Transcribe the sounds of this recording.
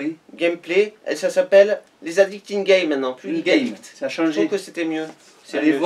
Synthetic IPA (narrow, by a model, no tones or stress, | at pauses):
ɡʲɛmpleɛ̰lsasapɛlː | ezad̪ik̚t̪inɡʲɛjmɛ̃t̪̚nɑ̃plyasaʃʒɛ̃kəset̪ɛmjø | seɛ